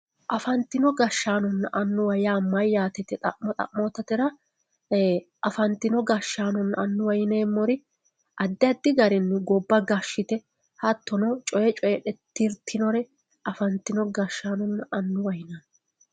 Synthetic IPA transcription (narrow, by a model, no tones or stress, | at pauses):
ʔɐfɐnt̪ːɪnɔɡɐʃːaːnɔnːʔɐnːʊwɐjaːmɐjːaːt̪ɛt̪ɛt̪ʼɐʔmɔt̪ʼɐ̰ʔmɔt̪ːɐt̪ɛɾɐ | ʔɐfɐnt̪ːɪnɔɡɐʃːaːnɔnːɐnːʊwɐjneːmːɔɾɪ | ʔɐd̪ːɪɐd̪ːɪɡɐɾɛnːʊɡɔbːɐɡɐʃːɪt̪ɛ | hɐt̪ːɔnɔt͡ʃʼɔjɛt͡ʃʼɔjɛᶑɛt̪ːiɾt̪ʰɪnɔɾɛ | ɐfɐnt̪ːɪnɔɡɐʃːaːnɔnːʔɐnːʊwɐjnan